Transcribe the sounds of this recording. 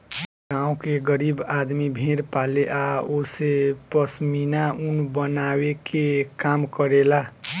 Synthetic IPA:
ɡãũkeɡəɾibad̪mibʱeɾpaleʔaosepʌsminaunbənawekʰekamkʌɾela

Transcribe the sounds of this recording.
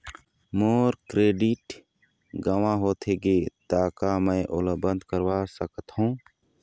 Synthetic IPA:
moːɾkɾeːɖɪʈ | ɡəʋãɦoːt̪ʰeɡeːt̪aːkamə̃ʔo̰ləbə̃nd̪kəɾwasəkət̪ɦũː

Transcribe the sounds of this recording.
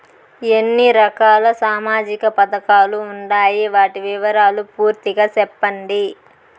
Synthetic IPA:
enːiɾɐkaːlɐsaːmaːd͡ʒikɐpɐt̪ɐkaːluːɳɖaːjiʋaːʈiʋiʋɐɾaːlupuːɾt̪iɡaːt͡ʃɛpːɐɳɖi

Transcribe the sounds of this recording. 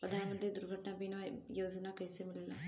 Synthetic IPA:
pəd̪ʱaːnmə̃nd̪eːd̪ʊɾɡʱəʈnaːbiːnãjoːd͡ʒnaːkəiseːmɪlːla̰

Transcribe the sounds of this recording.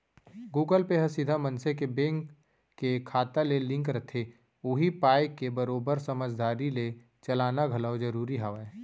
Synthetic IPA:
ɡuːɡəlpeɦɐsɪd̪ʱamɐ̃nsekebẽːŋkː | ekʰaːt̪alelɪ̃ŋkɾɐt̪ʰe | ʊɦipaːɪkːebəɾoːbəɾsɐməd͡ʒd̪aːɾile | t͡ʃɐlaːnaɡʱɐlawd͡ʒɐɾuːɾiɦaʋa

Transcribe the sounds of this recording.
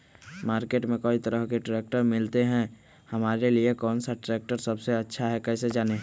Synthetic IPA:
maːɾkeːʈmẽkəːit̪ɐɾəɦkeʈɾeːk̚ʈəɾmɪlt̪eɦɛ̃ | hɐmaːɾeliekɔːnsaʈɾeːk̚ʈəɾsɐbseɐtːʃʰaɦɛkɛːsed͡ʒaːne

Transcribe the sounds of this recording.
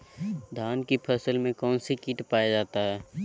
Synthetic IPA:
d̪ʱaːnkipʰəsəlmẽkɔːnsikiːʈpaːjad͡ʒaːt̪aɦɛː

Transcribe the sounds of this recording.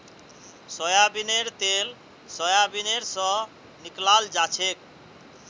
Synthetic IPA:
sɔjabineɾt̪el | sɔjabineɾsɔ | niklald͡ʒat͡ɕʰek̚

